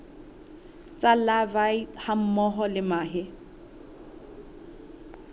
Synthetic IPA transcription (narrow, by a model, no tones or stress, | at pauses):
t͡sʼalabaiham̩mɔɦɔlɪmaːɦɪ